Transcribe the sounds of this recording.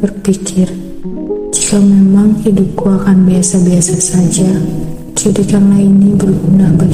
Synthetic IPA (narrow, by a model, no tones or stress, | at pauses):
bərpikʰɪr | d͡ʒikamɛmaŋhidup̚kuakanbiasabiasasad͡ʒa | sudikanlainibərɡunabə